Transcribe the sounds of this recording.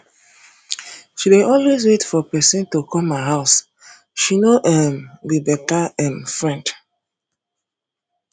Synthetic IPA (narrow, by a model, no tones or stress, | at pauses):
ʃiweʔɔlwez̬wetfɔpɛsɛ̃ntokʰɔmaɦaʊs | ʃinoʔɛmwibɛtaɛ̃mfɹɛ̃nd